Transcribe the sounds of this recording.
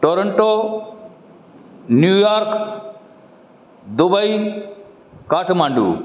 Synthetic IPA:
ʈoːɾəɳʈoː | njuːjaːɾk | d̪ubəi | kaːʈʰmãːɳɖṵː

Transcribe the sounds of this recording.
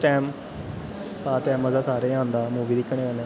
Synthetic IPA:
ʈɛːm | paːt̪ɛːməzaːsaːɾẽːʊ̃nd̪aːmuːʋiːd̪ikːəɽ̃iːkənẽ

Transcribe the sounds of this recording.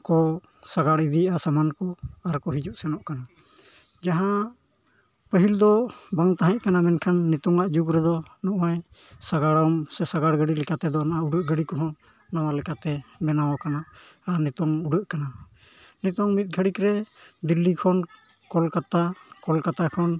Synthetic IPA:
kɔ | saɡaɽid̪iasamankɔaɾkɔɦid͡ʒuʔsɛnɔʔkana | d͡ʒaɦã | pəɦild̪ɔbaŋt̪aɦɛ̃ʔ̚kanamɛnkʰanːit̪ɔŋaʔd͡ʒukɾɛd̪ɔnuʔwaj | saɡaɽɔmsɛsaɡaɽɡəɽilɛkat̪ɛd̪ɔnaʔauɖəʔɡəɽikɔɦɔ̃ | nawalɛkat̪ɛmɛnawɔkanaː | ɾnit̪ɔŋuɖəʔkana | nit̪ɔŋmit̪̚ɡʱəɽikɾɛd̪ilːikʰɔn | kɔlkat̪akɔlkat̪akʰɔn

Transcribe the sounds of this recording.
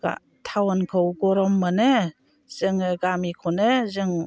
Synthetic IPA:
ɡa̰ | tʰawankʰɯwɡɔɾɔmːanɯ | z̥ɯŋɯɡamikʰɔnɯzɯŋ

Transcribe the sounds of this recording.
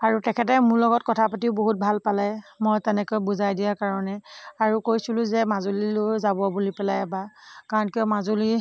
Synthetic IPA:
aɹutɛkʰɛtɛmʊɹlɔɡɔt̚kɔtʰapatiʊboɦut̚bʱalpalajmɔjtɛnɛkojbuzajdijakaɹɔnɛaɹukojsilʊ̃zɛmazolilʊzabɔabulipɛlajbakaɹɔnkijɔmazoli

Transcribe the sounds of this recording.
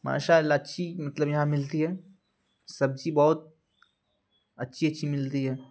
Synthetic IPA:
ma̰ːʃaːlaɐtːʃʰimɐt̪ləbjɐɦãmɪlt̪iɦɛː | sɐb̚d͡ʒibɔːʊt̪̚ | ɐtːʃʰiɐtːʃʰimɪlt̪iɦɛː

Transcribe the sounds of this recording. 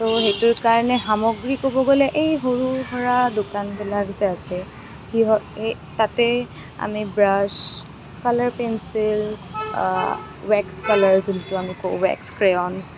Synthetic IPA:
toɦejtʊɹkaɹnɛɦamɔɡɹikobɔɡolɛʔejɦoɹuɦɔɹadokanbilaɡzɛasɛ | hiɦɔ | tatɛ | a̰mibɹas | kalaɹpɛnsils | wɛkskalaɹzuntʊamikoʊ̰wɛ̰kskɹeɔns

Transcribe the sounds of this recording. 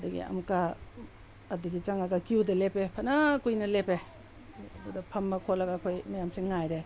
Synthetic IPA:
dɐɡḭɐ̰mkaː | diɡit͡ʃaŋaɡɐkiwdɐlepepʰɐnakujnɐlepe | budɐpʰɐmːɐkʰolɐɡaːkʰojmɐjamsiŋːajɾe

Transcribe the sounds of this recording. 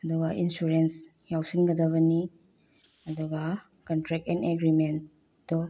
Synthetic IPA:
ɐd̪uɡɐʔinsuɾens | jawsinɡɐd̪ɐβɐni | ɐd̪uɡa | kɐntɾɛk̚ɛneɡɾiment | dɔ

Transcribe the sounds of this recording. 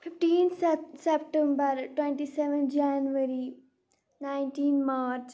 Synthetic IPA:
fʰɪfʈĩːnt̪sɛpʈɛ̃mbəɾʈwɛ̃ɳʈisɛʋə̃nd͡ʒanʋəɾi | naɪɳʈiːnmaːɾt͡ʃ

